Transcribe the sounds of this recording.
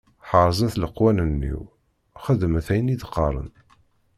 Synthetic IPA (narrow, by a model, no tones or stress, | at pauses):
ħəɾˤzˤæθləqːwænənːḭw | χəðəmθæjəniðqːɑɾˤə̰n